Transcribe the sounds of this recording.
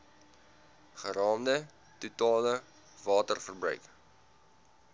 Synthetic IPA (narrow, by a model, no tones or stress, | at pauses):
χəɾɑːmdə | tutɑːlə | vɑːtərfərbrœ̰ɥk